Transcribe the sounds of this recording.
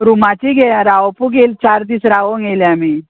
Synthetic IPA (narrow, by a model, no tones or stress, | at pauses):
ɾumat͡ɕiɡeaɾaʋpuɡelt͡ɕaɾd̪iːsɾaʋoŋɡeljami